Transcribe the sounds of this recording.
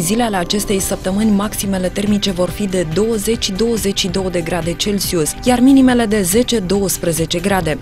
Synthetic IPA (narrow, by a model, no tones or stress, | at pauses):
zileale̞at͡ʃe̞st̪e̞jsəp̚t̪əmɨnʲmaksime̞le̞t̪e̞rmit͡ʃe̞vo̞rfid̪e̞d̪o̞wəze̞t͡ʃʲːd̪o̞wəze̞t͡ʃʲʃid̪o̞wəd̪e̞ɡɾad̪e̞t͡ʃe̞lsiusjarminime̞le̞d̪e̞ze̞t͡ʃe̞d̪o̞wəspɾeze̞t͡ʃe̞ɡɾad̪e̞